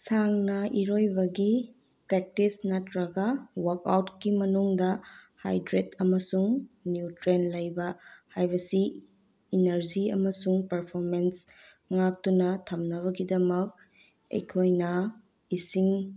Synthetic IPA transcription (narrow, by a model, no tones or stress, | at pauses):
saŋnɐʔiɾojbɐɡi | pɾek̚tisnɐtɾɐɡawɐɾka̰wtkimɐnuŋdɐha̰jdɾetʰɐmɐsuŋnjutɾenlɐjbɐhajbɐsiː | nɐɾziɐ̰mɐsuŋpɐɾpʰoɾmens | ŋak̚tunɐtʰɐmnɐβɐɡidɐmɐk̚ | ɐ̰jkʰojnɐ | isiŋ